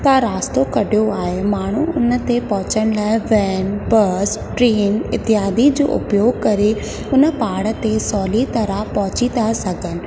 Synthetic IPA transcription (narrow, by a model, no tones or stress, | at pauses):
t̪aɾaːst̪okɐɖʱjoaːɦemaːɳ̤uʊnə̆t̪epɔɦʊ̃t͡ɕəɽ̃laːɪʋɛːnbɐsʈɾiːnɪt̪ɪɦaːd̪id͡ʑo̰ːʔʊ̰pjoːɡkɐɾe | ʊnə̆paːɽət̪esɔːlit̪ɐɾapɔɦʊt͡ɕinasɐɡʱənɪ̆